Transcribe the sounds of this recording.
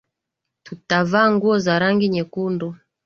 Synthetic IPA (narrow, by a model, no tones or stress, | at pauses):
tutavaːŋɡuɔzaɾaŋɡiɲɛkundu